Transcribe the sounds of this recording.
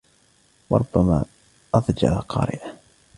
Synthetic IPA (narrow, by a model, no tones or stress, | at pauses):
wɑɾˤʊbːamaː | ʔɑðd͡ʒa̰laqɑːɾɪ̰ʔa